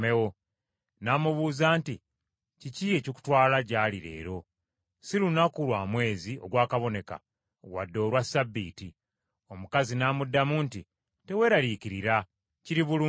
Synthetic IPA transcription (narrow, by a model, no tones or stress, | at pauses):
ewo̞ | naːmuβuːzaːnti | ciciecoku̥twaːlaɟaːliɾe̞̰ːɾo̞ | silunakulwaːmwe̞ːzio̞̰ɡwaːkaβo̞ne̞ka̰ | ɡwa̰dːo̞ːɾwasabːḭːti | o̞mukazinaːmudːamunti | te̞we̞ːɾaliciɾiɾa | ciɾiβulu